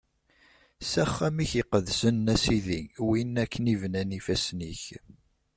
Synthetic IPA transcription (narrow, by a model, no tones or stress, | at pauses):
sæχːæmiçiqəðsənːæsiðiwinːækʰːənivnænifæsniç